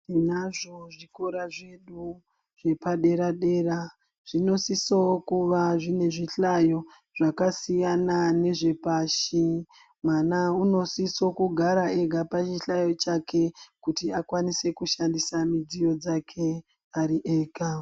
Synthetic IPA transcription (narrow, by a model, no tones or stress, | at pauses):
inaʐoʐiko̞ɾaʐe̞ɗu | ʐ̥e̞paɗe̞ɾaɗe̞ːra | ʐ̥ino̞sisokuʋaʐine̞ʐiɬajo̞ | ʐ̥akasijanane̞ʐe̞paʃi | mwanauno̞siso̞kuɡʱaɾae̞ɡʱapat͡ʃiɬajo̞t͡ʃake̞kutiakwanise̞kuʃandisamid͡zijo̞d͡zakʰe̞ | aɾiʔe̞ːka